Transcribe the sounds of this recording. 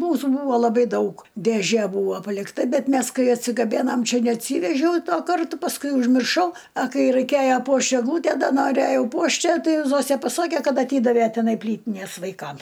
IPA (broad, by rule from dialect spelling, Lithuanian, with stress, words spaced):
ˈmuːsuː ˈbuːʋɐ lˠɐˈbɐɪ ˈdɐʊk dʲeːˈʒʲeː ˈbuːʋoː pɐlʲɪkˈtɐ ˈbʲɛt ˈmʲɛs ˈkɐɪ ɐtʲsʲɪɡɐˈbʲeːnɐm ˈt͡ʃʲɛ nʲɛɐtʲˈsʲiːʋʲɛʒʲɛʊ ˈtuɔ ˈkɐrtʊ pɐsˈkʊɪ ʊʒʲmʲɪrˈʃɐʊ ɐ ˈkɐɪ rɐɪˈkʲeːjɛ ˈpuɔʃt ɛɡˈlˠuːtʲæ ˈdɐ noːˈrʲæjɛʊ ˈpuɔʃt ˈjæː ˈtɐɪ ˈzoːsʲæ pɐˈsɑːkʲeː ˈkɐt ɐˈtʲiːdɐʋʲæ tʲɪˈnɐɪ ˈpʲlʲiːtʲɪnʲeːs ʋɐɪˈkɐm